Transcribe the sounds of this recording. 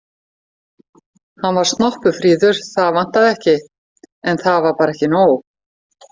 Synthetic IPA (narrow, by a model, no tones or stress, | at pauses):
hanvaɾ̥st̪nɔhpʏfɾiːðʏɾ̥θaðvan̥t̪aðɛhcɪ | ɛnθaðvaɾpaːɾɛhcɪnoːw